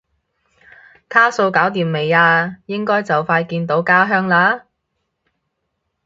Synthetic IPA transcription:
t̪ʰaː˥so˧wkaː˨˥wt̪iː˨˩mːe˨˩jaː˧jɪ˥ŋkɔː˥jt͡sɐ˨wfaː˧jkiː˧nt̪o˨˥wkaː˥ɦœː˥ŋlaː˨˥

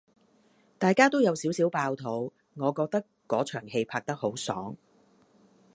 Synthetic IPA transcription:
t̪aː˨jkaː˥t̪o˥wjɐ˨˧wsiː˨˥wsiː˨˥wpaː˧wt̪ʰo˨˥w | ŋɔː˨˧kɔː˧k̚t̪ɐ˥kːɔː˨˥t͡ʃʰœː˨˩ŋɦe˧jpʰaː˧k̚t̪ɐ˥k̚ho˨˥wsɔ̰ː˨˥ŋ

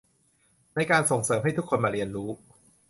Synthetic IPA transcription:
na˧jkaː˧nso˨˩ŋsɤː˩˦mɦa˥˩jt̪ʰu˥kʰːo˧nmaː˧ɾi˧ənɾuː˦˥

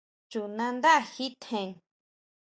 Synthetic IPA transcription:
t͡ʃu˨nã˧nd̪a˦ʔa˧˨xi˦t̪ʰẽ˧˨ŋ

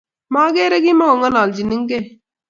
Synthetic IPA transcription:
maː˦ɡeː˦ɾɐ˦ɡi˦ma˦ə˨ŋa˦naː˨ld͡ʒi˨ni˦ŋɡe

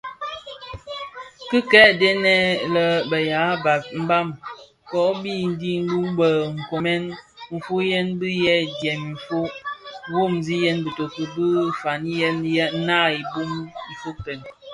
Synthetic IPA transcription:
kɨ˦kɛ˦ʔdɛ˦nɛ˦lə˦bə˨ja˨˦ba˨t̚m̩˦ba˦m | kɔ˨˦bi˦˨n̩˦di˦n̩˦bu˦mbə˨ŋ̩˨ko˨mɛ˦nm̩˨fu˦jɛ˦nbɨ˦jɛ˦djɛ˨m˨ɱ̩˨fo˦wo˦˨mzi˦jɛ˦nbə˨to˨kə˨bɨ˦fa˨ni˦jɛ˦njɛ˦na˦i˨bu˦mm̩˨fu˦k̚tə˨n

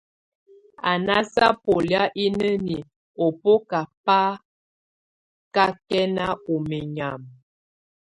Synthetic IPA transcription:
a˨na˦sa˦po˨lja˦ʔi˦nə˦ni˨ | o˨po˦ka˨pa˦ | ka˦kɛ˦na˦o˨me˨ɲa˨m

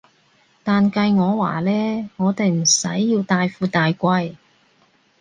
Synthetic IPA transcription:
t̪aː˨nkɐ˧jŋɔː˨˧wa̰ː˨˩lɛː˥ŋɔː˨˧t̪e˨jm̩˨˩sɐ˨˥jːiː˧wt̪aː˨jfuː˧t̪aː˨jkʷɐ˧j

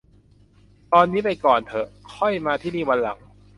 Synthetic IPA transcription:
t̪ɔː˧nːiː˦˥pa˧jkɔː˨˩nt̪ʰɤ˨˩kʰɔ˥˩jmaː˧t̪ʰiː˥˩niː˥˩wa˧nla˨˩ŋ

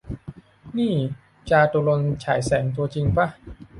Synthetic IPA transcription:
niː˥˩ | t͡ɕaː˧t̪u˧lo˧nt͡ɕʰaː˩˦jsɛː˩˦ŋt̪u˧ɐ˧t͡ɕi˧ŋpa˦˥

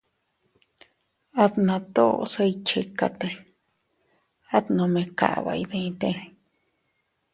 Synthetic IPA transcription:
a˦t̪nã˧t̪o̰˦˧se˧i˧t͡ʃe˧ka˧t̪e˧ | a˦t̪nõ˧mẽ˧ka̰˨βa̰˧i˧ðẽ˧ĩ˧t̪ẽ˧

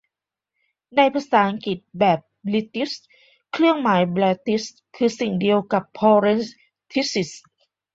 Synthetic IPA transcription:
na˧jpʰa˧saː˩˦ʔa˧ŋki˨˩t̪̚bɛː˨˩p̚li˧˥t̪i˦˥s | kʰlɾɯ˥˩əŋmaː˩˦jblɛː˧˥t̪i˦˥s | kʰɯː˧si˨˩ŋdi˧əwka˨˩pʰːɔː˧ɾe˦˥ns | t̪ʰi˦˥si˨˩s

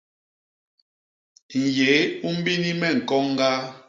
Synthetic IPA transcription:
ŋ̩˨je˨˦u˦m̩˦bi˦ni˦mɛ˦˨ŋ̩˨kɔ˦ŋ˦ɡa˦

